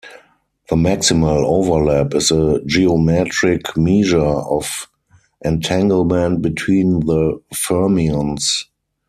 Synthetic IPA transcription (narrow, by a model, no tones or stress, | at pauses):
ðəmæksɪməloʊvə˞lɛpɪzəd͡ʒiɔmɛtɹɪkʰmiːʒə˞ɔf | ʔɛ̃ntʰæ̃ŋɡəl̩mɛ̃nt̚bitʰwĩːnðəfɜ˞miə̃ns